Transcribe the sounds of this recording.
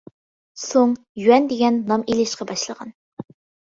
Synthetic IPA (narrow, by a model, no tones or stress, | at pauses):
soŋ | jywɛnd̪eɡʲɛnːɑmelɪʃqɑbɑʃlˠəʁɑ̰n